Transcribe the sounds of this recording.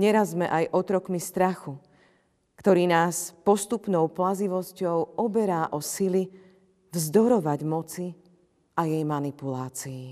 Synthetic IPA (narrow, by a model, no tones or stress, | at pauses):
ɲɛɾazmɛʔajʔɔt̪ɾɔkmist̪ɾaxu | kt̪ɔɾiːnaːspɔst̪upnɔʊplaziʋɔscɔʊɔbɛɾaːʔɔsili | vzd̪ɔɾɔʋaɟmɔt͡si | ʔajɛjmanipulaːt͡siː